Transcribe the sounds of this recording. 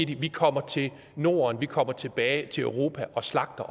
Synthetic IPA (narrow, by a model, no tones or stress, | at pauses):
d̥iʋikʰɒ̽m̰ɐt͡sʰe̝l | no̝̰ːɐnʋikʰɒ̽m̰ɐt͡sʰe̝b̥ɛːɪt͡sʰe̝løʊʁo̝ːpʰæʔɒ̽slɑ̈ɡ̥̚d̥ɐ